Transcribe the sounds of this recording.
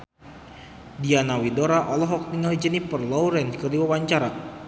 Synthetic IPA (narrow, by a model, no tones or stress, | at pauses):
dianawidoɾaʔɔlɔɦɔk̚niŋəlid͡ʒənipərlɔwɾɛnkədiwawaɲt͡ʃaɾa